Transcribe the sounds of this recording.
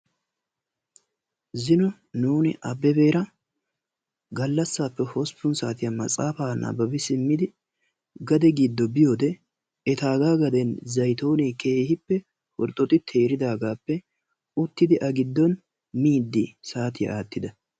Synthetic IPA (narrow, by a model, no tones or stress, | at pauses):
zɪnɔ | nuːnɪʔɐbɛbe̞ːɾɐ | ɡɐlːɐsːaːpːɛhɔspːʊnsaːt̪ɪjamɐ̰t͡sʼaːfaːnɐ̰bɐbɪsɪmːɪd̪ɪ | ɡɐd̪ɛɡɪd̪ːɔbɪjoːd̪ɛ | ɛt̪aːɡaːɡɐd̪ɛnzɐjt̪oːniːke̞ːhɪpːɛ | hɔɾt̪ʼɔt̪ʼɪt̪ʰe̞ːɾɪd̪aːɡaːpːɛ | ʊt̪ːɪd̪ɪʔɐɡɪd̪ːɔn | miːd̪ːɪsaːt̪ɪjɐ̰aːt̪ːɪd̪ɐ